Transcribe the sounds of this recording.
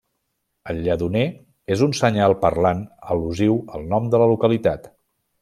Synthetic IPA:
əlʎəðune | ezunsəɲalˠpərlanəluziwəlˠnɔmd̪ələlukəlit̪at̪

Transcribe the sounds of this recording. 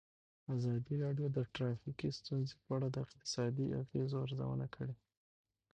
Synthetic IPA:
azɑd̪iɾɑɖjod̪əʈɾɑfikist̪unzepəaɽad̪əɪqt̪ɪ̥sɑd̪iʔa̰ɣezoaɾza̰wə̰nakʰəɽe

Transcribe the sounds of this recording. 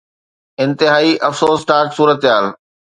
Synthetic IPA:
ɪ̃nt̪ɪɦaːiʔɐfsoːsʈaːksuːɾət̪jaːl

